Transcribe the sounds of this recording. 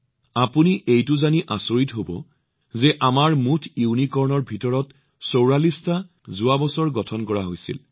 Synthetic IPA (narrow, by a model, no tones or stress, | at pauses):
apuniʔejtʊzaniʔasoɹitɦobɔ̰ | zɛʔamaɹmutʰuwnikɔɹnɔɹbʱitɔɹɔt | sowɹalista | zuabɔsɔɹɡɔtʰɔnkɔɹaɦojsḭl